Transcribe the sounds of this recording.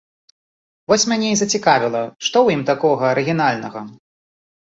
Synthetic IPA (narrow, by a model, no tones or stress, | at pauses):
vɔsʲmʲanʲeizɐt͡sʲikavʲilˠɐʂt̪ɔwjimt̪akɔɣɐɐɾɨɣʲinalʲnɐɣɐ